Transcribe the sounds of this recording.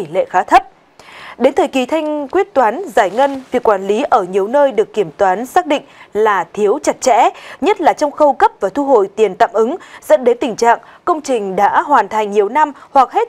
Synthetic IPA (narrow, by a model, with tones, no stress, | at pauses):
i˧˩lḛ˧˨xaː˨˦t̪ʰə˦˥p̚ | ɗe˨˦nt̪ʰəː˨˩jki˨˩t̪ʰa˧jŋ̟kwi˦˥ət̚t̪waː˨˦nzaː˧˩jŋə˧nvi˨˩əkːwaː˧˩nli˨˦ʔəː˧˩ɲi˨˩əwnəː˧jɗɨ˨˩əkːi˧˩əmt̪waː˨˦nsaː˦˥k̚ɗḭ˧˨ŋ̟laː˨˩t̪ʰi˨˦əwt͡ɕa˨˦˩t̚t͡ɕɛ̰˧˥ɲə˦˥t̚laː˨˩t͡ɕɔ˧wŋ͡mxə˧wkə˦˥p̚vaː˨˩t̪ʰu˧ɦo̰˧˨jt̪i˨˩ənt̪a̰ː˧˨mʔɨ˨˦ŋz̥ə̰˧˥nɗe˨˦nt̪ï˨˩ŋ̟t͡ɕa̰ː˧˨ŋ | kə˧wŋ͡mt͡ɕï˨˩ŋ̟ɗa̰ː˧˥ɦwaː˨˩nt̪ʰa˨˩jŋ̟ɲi˨˩əwna˧mhwa˨˩k̚he˦˥t̚